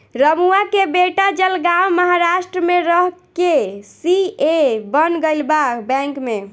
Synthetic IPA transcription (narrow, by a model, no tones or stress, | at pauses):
ɾəmuakebeʈad͡ʒəlɡawməɦaɾaʃʈɾəmeɾəɦkesiebənɡəɪlbakbɛ̃ŋkme